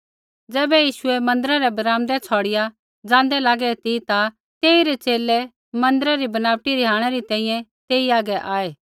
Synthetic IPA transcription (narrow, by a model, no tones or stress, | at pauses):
d͡zɛːbɛjiːʃʊɛmɐ̃nd̪əɾaɾɛbɐɾaːmd̪ɛt͡sʰɔːɽɪja | d͡zãːnd̪ɛlaːɡɛt̪it̪a | t̪eːiɾet͡ʃeːlːɛ | mɐ̃nd̪əɾaɾibɐnaːʋʈiɾiɦaːɽ̃ɛɾit̪ɛ̃ːĩjɛ̃t̪eːiaːɡɛʔaːeː